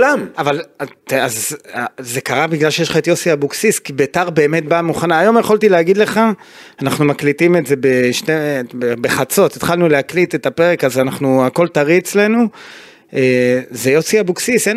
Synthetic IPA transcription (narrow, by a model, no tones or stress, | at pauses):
lamavalataz | ze̞kaʁabiɡlalʃeʃχaetjo̞siabuksiskibetaʁbe̞ːme̞t̚bamuχanaːjo̞mjeχo̞ltileaɡid̪le̞χaː | naχnumaklitime̞tze̞beʃtebebe̞χat͡so̞tet̪χalnulehaklitetape̞ʁekazanaχnuako̞ltaʁiet͡sle̞nu | eːzejo̞siabuksise